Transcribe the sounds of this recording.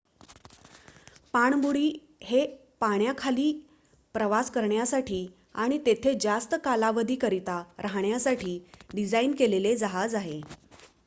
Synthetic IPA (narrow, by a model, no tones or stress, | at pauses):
paɳ̃buɽiː | he | paɳjakʰaliː | pɾəʋaskəɾɳjasaʈʰiː | aɽ̃it̪et̪ʰed͡zast̪əkalaʋəd̪ʱiːkəɾit̪aɾaɦɳjasaʈʰiːɖid͡zainkeleled͡zaɦad͡zaɦe